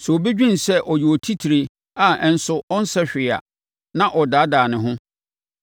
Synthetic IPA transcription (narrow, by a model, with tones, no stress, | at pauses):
sɛ˨o˨be˦d͡ʑᶣĩ˦n˨sɛ˦ʔɔ˨jɪ˨wɔ˨tʰi˦tʰi˨ɾe˨ | a˨ɛ˨n̩˨˦sʊ˦ɔ˦n̩˦sɛ˦ɕᶣɪ˨a̰˨ | nã˦ʔɔ˨daː˨˦daː˨nɪ̃˨ɦʊ̃˦